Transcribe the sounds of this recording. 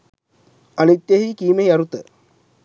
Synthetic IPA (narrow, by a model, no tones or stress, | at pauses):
ɐnit̪jeɦikiːmejɐɾut̪ə